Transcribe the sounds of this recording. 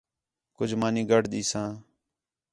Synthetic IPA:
kʊd͡ʒʱmãːnĩːɡʱəɽɗ̪iːsãː

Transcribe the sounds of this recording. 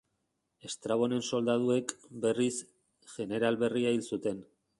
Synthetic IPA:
e̞st̪ɾaβ̞o̞ne̞nso̞ld̪að̞ue̞kbe̞ris | ʝe̞ne̞ɾalβe̞riailsut̪e̞n

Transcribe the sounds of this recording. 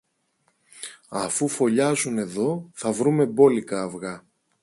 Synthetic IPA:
ɐfufo̞ʎɐzune̞ðo̞θɐvɾume̞bo̞likɐːvɣɐ

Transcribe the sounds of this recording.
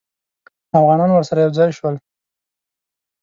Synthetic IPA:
afɣɑnɑnwəɾsaɾajawd͡zɑjʃwəl

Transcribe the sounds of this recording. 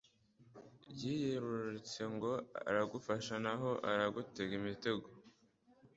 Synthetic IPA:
bɟiːjeɾuɾɾit͡se̞ŋɡo̞a̰ɾaɡufaʃanaɦo̞ʔaɾaɡute̞ɡimite̞ɡo

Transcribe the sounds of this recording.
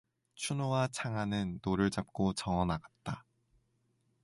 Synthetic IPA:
t͡ɕʰunowat͡ɕʰaŋanɯnːoɾɯɭt͡ɕap̚k͈ot͡ɕʌŋʌnaɡat̚t͈a

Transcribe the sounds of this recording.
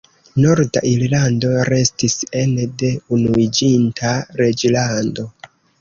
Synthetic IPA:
no̞ɾda̰ʔiɾlando̞ɾe̞stise̞nde̞unuid͡ʒintʰaɾe̞d͡ʒlando̞

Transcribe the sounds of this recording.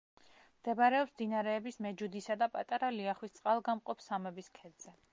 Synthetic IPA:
md̪̥ɛbɾɛɔpsmd̪inaɾɛːbismɛd͡ʒud̪isad̪apʼat̪ʼaɾaliaχwist̪sʼqʼalˠɡamqʼɔpsamɛbiskʰɛd̪z̥ɛ

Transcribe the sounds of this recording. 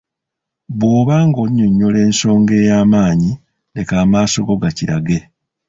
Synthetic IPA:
βwo̞ːβaːŋɡo̞ɲːoɲːole̞ːnso̞ːŋɡe̞ːjaːmaːɲi | le̞kaːmaːso̞ɡo̞ɡaciɾa̰ɡe̞

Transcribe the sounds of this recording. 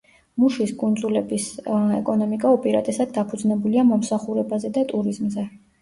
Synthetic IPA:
muʃiskʼund̪zʼulɛbisɛkʼɔnɔmikʼaupʼiɾat̪ʼɛsad̪̚d̪apʰud̪znɛbuliamɔmsaχuɾɛbazɛd̪at̪ʼuɾizmzɛ

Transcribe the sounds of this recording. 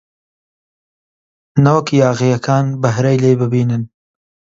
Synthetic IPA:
nɐwkjaːɣijɐkʰaːnbɐɦɾejlejbɨbiːnɨn

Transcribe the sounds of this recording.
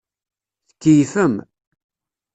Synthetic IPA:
θə̥kːəjfəm

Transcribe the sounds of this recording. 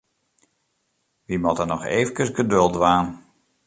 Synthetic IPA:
ʋimɔtənɔxeːvəkəsɡədɵlˠdʋaːn

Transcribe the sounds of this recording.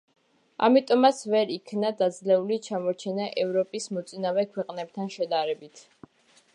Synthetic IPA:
a̰mit̪ʼɔmat̪sʰvɛɾikʰnad̪ad̪zlɛulit͡ʃʰamɔɾt͡ʃʰɛnaʔɛvɾɔpʼismɔt̪sʼinavɛkʰwɛqʼnɛb̚t̪ʰanʃɛd̪aɾɛbit̪ʰ

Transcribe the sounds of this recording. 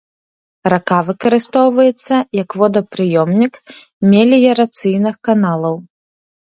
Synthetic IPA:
rakavɨkɐɾɨst̪ɔwvɐjɛt̪sːɐjɐkvɔd̪ɐpɾɨjɔmnʲik | mʲɛlʲijɐɾat̪sɨjnɨxkanalˠɐw

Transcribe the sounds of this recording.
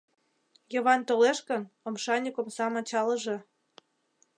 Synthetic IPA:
jə̆βɑnt̪oleʃkənomʃɑnʲikŏmsɑmɑt͡ɕɑləʒe

